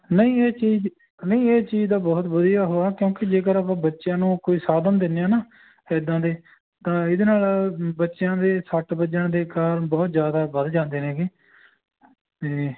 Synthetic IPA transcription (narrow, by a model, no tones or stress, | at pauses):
nəĩːeːt͡ʃiːd͡ʒ | nəĩːeːt͡ʃiːd͡ʒd̪aːbɔːt̪bʊd̪ɪjaːɦoːaːkjõːkɪd͡ʒeːkəɾaːpãːbətːʃjãːnũːkoːiːsaːd̪əmd̪ɪnːjãːnaː | ɪd̪ãːd̪eː | t̪ãːɪd̪eːnaːlbətːʃjãːd̪eːsəʈbəd͡ʒəɳ̃d̪eːkaːɾbɔːt̪zjaːd̪aːʋəd̪d͡ʒãːnd̪eːnẽːkiː | eː